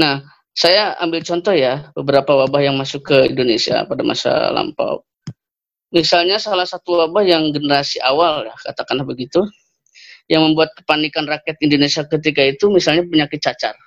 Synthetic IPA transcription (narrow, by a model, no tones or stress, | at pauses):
nah | sajaa̰mbɪlt͡ʃɔnt̪ɔhjabəbəɾapawabahjaŋmasʊkːəindonesia̰padama̰sa̰la̰mpa̰p̚ | misalɲasalahsat̪uwabahjaŋɡənəɾasiʔawaldahkat̪akanabəɡit̪u | jaŋməmbuat̪̚kə̥panikanrakɛt̪indonesiakət̪̬ikait̪umisalɲapəɲakɪt̪̚t͡ʃat͡ʃa̰r